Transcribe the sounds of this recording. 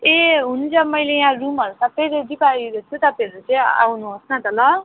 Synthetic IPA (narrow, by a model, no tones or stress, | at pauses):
eɦunt͡sʰʌmʌjlejãrumʌɾusʰapʰeɾed̪ipaiɡot̪ʰut̪ʌpiʌɾut͡sʌj̃a̰wnuɦosnʌt̪ʌlʌ